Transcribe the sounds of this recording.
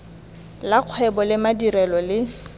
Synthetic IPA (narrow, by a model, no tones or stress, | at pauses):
laq͡χʰwɛbɔlɪmadiɾɛlɔlɪ